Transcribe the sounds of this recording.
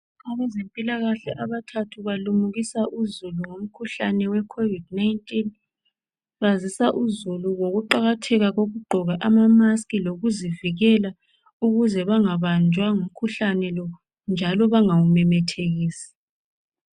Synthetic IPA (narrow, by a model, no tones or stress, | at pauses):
aɣɛzempʼilaɣaɬɛʔaβatʰatʰuβalumuɣisaʔuzuluŋom̩kʰuɬanɛwɛkʰovidnajntʼin | βazisaʔuzuluwoɣuǃaɣatʰɛɣaɣoɣuɡ͡ǃʱɔɣaʔamamaskiloɣuziviɣɛla | uɣuzɛβaŋaβand͡ʒʱwaŋum̩kʰuɬanɛlɔ | nd͡ʒʱalɔβaŋawumɛmɛtʰeɣiːsi̥